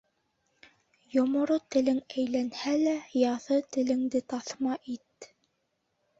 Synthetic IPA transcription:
jŏmŏɾot̪ɘ̆lɘŋæjlænhælæjɑθɤt̪ɘ̆lɘ̆ŋd̪ɘt̪ɑθmɑʔit̪̚

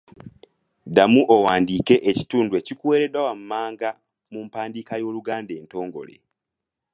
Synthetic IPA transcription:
damuʔowaːndiːke̞ʔeci̥tuːndwe̞cikuwe̞ːɾedwawam̩maːŋɡa | mumpaːndiːkajo̞ːluɡaːnde̞ːnto̞ːŋɡo̞̰le̞̰

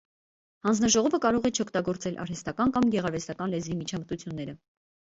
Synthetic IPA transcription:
hɑnd͡znɑʒɔʁɔvəkɑɾɔʁɛt͡ʃʰɔkʰt̪ɑɡɔɾt͡sɛlʔɑ̰ɾhɛst̪ɑkɑnkɑmɡɛʁɑɾvɛst̪ɑkɑnlɛzvimit͡ʃʰɑmət̪ut͡sʰjunːɛɾə

